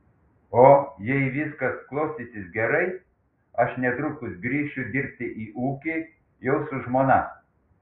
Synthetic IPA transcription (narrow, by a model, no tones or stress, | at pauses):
oːjɛɪʋʲɪskɐsklˠoʊsʲt̪ʲisʲɪsɡʲɛɾɐɪ | ɐʃnʲɛt̪ɾʊkʊsɡɾʲiːʃʲt͡ʃʲʊd̪ʲɪɾʲp̚ʲt̪ʲɪʔiːʔuːkʲi | jɛʊsʊʒmoːnɐ